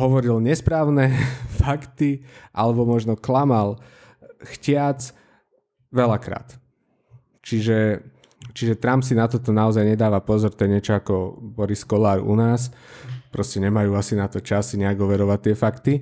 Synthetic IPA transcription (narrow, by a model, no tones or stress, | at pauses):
ɦɔʋɔɾilɲɛspɾaːʊnɛfakt̪iʔalɛbɔmɔʒnɔklamal | xcɪat͡s | ʋɛlakɾa̰ːt̪ | t͡ʃiʒɛ | t͡ʃiʒɛt̪ɾampsinat̪ɔt̪ɔnaɔzajɲɛd̪aːʋapɔzɔɾt̪ɛɲɪɛt͡ʃɔakɔbɔɾiskɔlaːɾṵnaːspɾɔscɛɲɛmajuːasinat̪ɔt͡ʃasiɲɛaɡɦɔʋɛɾɔʋat̪ːɪɛfakt̪i